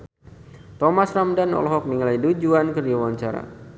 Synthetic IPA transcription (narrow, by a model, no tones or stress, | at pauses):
t̪ɔmasramdanɔ̰lɔɦɔk̚niŋlajdud͡ʒuankərd͡ʒawaɲt͡ʃaɾa̰